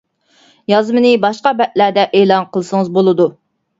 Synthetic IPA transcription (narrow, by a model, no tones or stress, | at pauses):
jɑzmɨnɨbɑʃqɑbɛt̪̚læd̪ɛʔeːlˠɑnqʰəlˠɨsɨŋəzbolˠɨd̪u